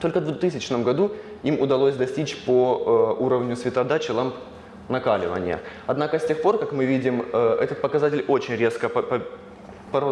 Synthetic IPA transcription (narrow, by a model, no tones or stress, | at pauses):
t̪o̞lʲkəvd̪vʊt̪ɨsʲɪt͡ɕnəmɡɐd̪uimʊd̪ɐlˠosʲd̪ɐsʲtʲit͡ɕpouɾəvnʲʊsvʲɪt̪ɐd̪at͡ɕɪlˠamp | nɐkalʲɪ̰və̰nʲɪ̰jə̰ɐd̪nakəsʲtʲe̞xpo̞rkakmɨvʲidʲɪmɛt̪ət̪̚pəkɐzatʲɪlʲo̞t͡ɕɪnʲɾʲe̞skəp | pɐɾ